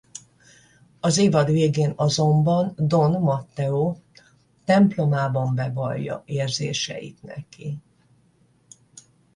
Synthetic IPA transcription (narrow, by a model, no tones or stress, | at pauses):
ɒzeːvɒd̪ʋeːɡeːnɒzo̞mbɒnd̪o̞nmɒt̪ːɛoː | t̪ɛmplo̞maːbɒmbɛvɒjːɒ̰eːrzḛːʃɛ̰jḭt̪nɛ̰ki